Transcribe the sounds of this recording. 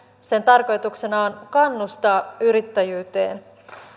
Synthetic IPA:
sent̪ɑrko̞jt̪ukse̞nɑonkɑnːust̪ɑːyɾit̪ːæjyːt̪e̞ːn

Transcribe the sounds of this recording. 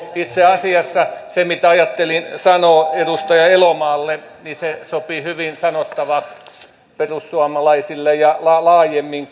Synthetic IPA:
it̪seɑsiɑsːɑsemit̪æɑjɑt̪ːelinsɑnoːedust̪ɑjɑelomɑːlːe | nisesopihyʋinsɑnot̪ːɑʋɑks | perusːuɑmɑlɑisilːejjɑlɑlɑːjemːiŋ

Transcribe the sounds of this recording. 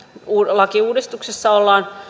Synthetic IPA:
uːlɑkiuːdist̪uksesːɑolːɑːn

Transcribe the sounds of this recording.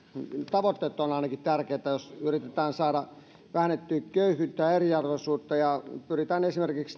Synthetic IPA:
t̪ɑʋot̪ːeːt̪ːonɑˑinɑkitt̪ærkeːt̪ːæjosyrit̪et̪æːnsɑːɾɑ | ʋæhænet̪ːyːkøyhˑyt̪ːæeriɑrʋesuːt̪ːɑjɑpyrit̪æːnesimerkiks

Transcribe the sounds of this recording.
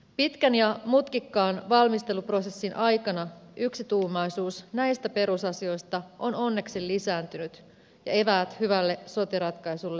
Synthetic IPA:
pit̪kænjɑmut̪kikːɑːnʋɑlmist̪e̞lupro̞se̞sːinʔɑjkɑnɑʔyksit̪uːmɑjsuːsnæjst̪æpe̞ɾusɑsio̞jst̪ɑʔo̞no̞nːe̞ksilːisæːnt̪ynyt̪ | jɑ̰e̞ʋæːt̪hyʋælːe̞so̞t̪iɾɑt̪kɑjsulːe

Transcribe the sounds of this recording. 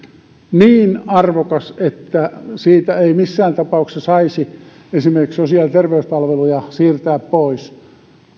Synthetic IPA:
niːnɑrʋokɑset̪ːæsiːt̪æeimisːæːnt̪ɑpɑuksɑsɑisi | esimerkiksosiɑlt̪erʋeyspɑlʋelujɑsiːrt̪æːppois

